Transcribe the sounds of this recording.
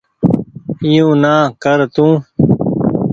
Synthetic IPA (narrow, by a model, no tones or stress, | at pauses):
ijũːnãːkəɾt̪ũː